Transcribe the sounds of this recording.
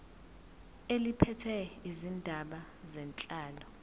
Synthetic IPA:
elipʰɛtʰɛizindʱaɓa | zɛnt͡ɬʼaːlɔ

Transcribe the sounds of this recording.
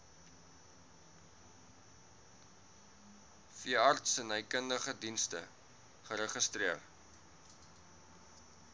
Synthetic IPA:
fiəɐrtsənəjkəndəχədinstə̰ | χəɾəχəstriər

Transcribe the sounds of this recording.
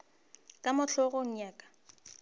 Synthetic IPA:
kʼamʊɬʰɔɣoŋ̩ɲaːkʼḁ

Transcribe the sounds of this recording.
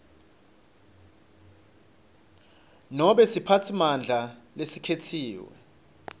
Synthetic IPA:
nɔɓɛsipʰatʰimand͡ɮʱalesikʰetʰiːwɛ̰

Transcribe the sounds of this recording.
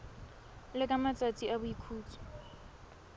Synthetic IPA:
lɪkʼamat͡sʼat͡sʼiabʊjikʰuːt͡sʰʼu̥

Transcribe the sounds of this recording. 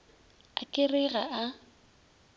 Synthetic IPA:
a̰kʼɪrɪɣaʔa

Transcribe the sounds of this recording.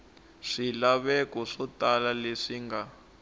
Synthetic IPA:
ʂilaβɛkɔʂɔtalaleʂiŋɡa

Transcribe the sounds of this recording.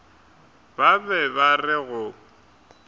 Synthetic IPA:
babɛbarɪɣʊ

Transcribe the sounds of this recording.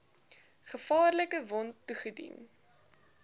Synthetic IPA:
χəfɑːrləkəvɔntːuχədḭn

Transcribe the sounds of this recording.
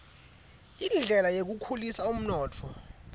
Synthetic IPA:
inɮʱɛlajek̬ukʰulisaum̩nɔːtʰɔ

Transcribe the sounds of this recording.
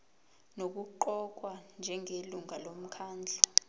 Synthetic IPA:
nok̬uǃɔk̬wand͡ʒʱɛŋeluŋalom̩kʰaːnd͡ɮʱɔ

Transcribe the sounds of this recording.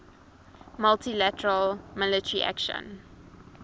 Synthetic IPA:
məltilætəɹəlmɪlətəɹiʔæ̰kʃə̰̃n

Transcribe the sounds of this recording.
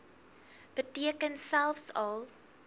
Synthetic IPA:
b̥ətiəkənsælˠfsɐlˠ

